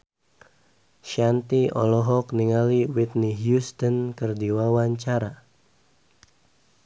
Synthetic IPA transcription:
ʃant̪iɔ̰lɔɦɔkniŋaliwit̪̚niɦjust̪ənkərdiwawaɲt͡ʃaɾa

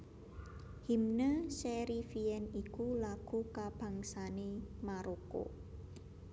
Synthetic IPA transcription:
himnəsɛɾifiɛnikulaɡ̥ṳkab̥a̤ŋsanemaɾoko̰

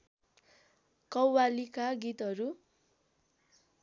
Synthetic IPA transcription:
kʌwwalikaɡit̪ɦʌɾu

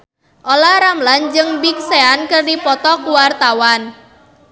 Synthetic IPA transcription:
ʔolaɾamland͡ʒɨŋbik̚seankɨrdipɔt̪ɔkuwart̪awan

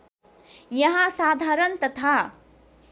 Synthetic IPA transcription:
jɐɦãsaːd̪ʱaːɾənt̪ɐt̪ʰa

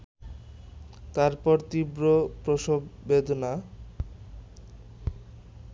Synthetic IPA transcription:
t̪aɾpɔɾt̪ibɾopɾoʃobed̪ʱona

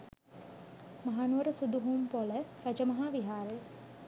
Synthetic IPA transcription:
maɦaːnuʋɐɾəsud̪uɦumpolərɐd͡ʒəmɐɦaːʋiɦaːɾe

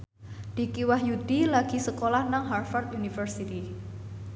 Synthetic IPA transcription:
d̪̥i̤kiwahjud̪̥ilaɡ̥i̤səkolahnaŋɦarfart̪junifərsit̪i

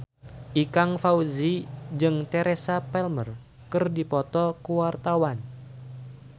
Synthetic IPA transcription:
ʔikaŋfauzid͡ʒɨŋt̪ɛɾesapɛlmər | kɨrdipɔt̪ɔkuwart̪awan

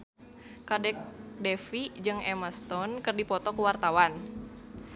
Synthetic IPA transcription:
kadɛk̚dɛfid͡ʒɨŋɛməst̪ɔnkɨrdipɔt̪ɔkuwart̪awan

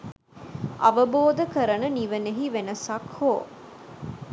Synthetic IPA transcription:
ʔɐʋɐboːd̪ɐkɐɾɐnɐniʋɐneɦiʋenɐsɐkhoː

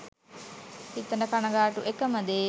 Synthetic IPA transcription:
h̪it̪ɐnɐkanɐɡaːʈuʔekɐməd̪eː

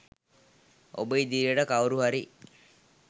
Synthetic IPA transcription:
o̰bəid̪iɾijəʈəkawɾuɦaɾi

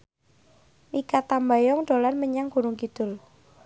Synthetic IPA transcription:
nikat̪ambajɔŋɖ̥o̤lanməɲaŋɡ̥ṳɾʊŋkid̪̥ʊ̤l

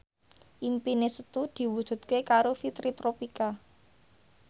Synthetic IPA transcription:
ʔimpinesət̪ud̪̥i̤wud̥ʒ̥ṳt̪kekaɾofit̪ɾit̪ɾopika

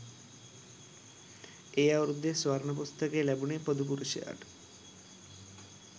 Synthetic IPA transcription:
ejawɾud̪ːeswaɾnop̬ost̪ʰakelɛbunepod̪up̬uɾuʃia̰ʈ

